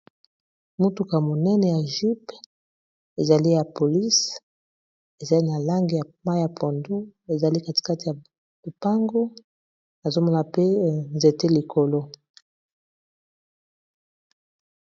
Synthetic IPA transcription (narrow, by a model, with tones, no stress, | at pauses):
mu˦tu˨ka˨mo˨nɛ˦nɛ˨ja˨ʒi˦p | e˨za˨li˦ja˨po˨li˦s | e˨za˨li˦na˨la˦ŋɡi˨ja˨ma˦ja˨pʰo˨ndu˦e˨za˨li˦ka˦ti̥˨ka˦ti˨ja˨ | bu˨pa˦ŋɡo˦ | na˨zo˦mo˦na˨pe˦nze˨te˦li˨kʰo˨lo˦